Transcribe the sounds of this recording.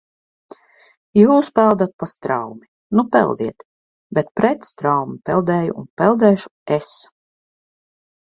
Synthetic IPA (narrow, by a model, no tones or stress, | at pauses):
juːspælˠd̪at̪̚past̪ɾa̰wmi | nupɛ̰lˠd̪iɛt̪ | bet̪̚pɾɛt̪st̪ɾawmipɛlˠd̪ɛːjṵːnpɛlˠd̪ɛːʃu̥es